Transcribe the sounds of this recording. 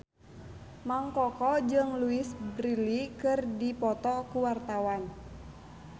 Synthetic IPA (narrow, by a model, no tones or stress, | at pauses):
maŋkɔkɔd͡ʒɨŋluɪsbɾilikɨrdipɔt̪ɔkuwart̪awan